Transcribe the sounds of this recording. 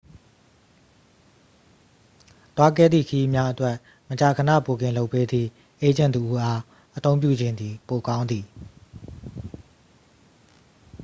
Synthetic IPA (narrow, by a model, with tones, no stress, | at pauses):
t̪wa˦ɡɛ̰˦˨d̪ðḭ˦˨kʰə˨ji˦mja˦ʔətwɛ˦ʔ | mət͡ɕa˨kʰənä̰˦˨po˨ɡɪ̃˨lo˦ʊpːe˦d̪ðḭ˦˨ | ʔe˦d͡ʑã˦˨nt̪ə˨ʔu˦ʔa˦ | ʔət̪õ˦ʊ̃mp̬jṵ˦˨d͡ʑɪ̃˨nd̪ði˨po˨kã˦ʊ̃nd̪ði˨